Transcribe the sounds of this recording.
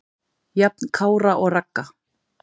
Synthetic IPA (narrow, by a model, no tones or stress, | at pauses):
jap̚nkʰaːwɾaʔɔɣrakːa